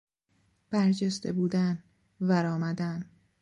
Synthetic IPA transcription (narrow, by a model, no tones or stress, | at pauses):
b̥æɾd͡ʒest̪ebuːd̪æn | væɾɒːmæd̪æn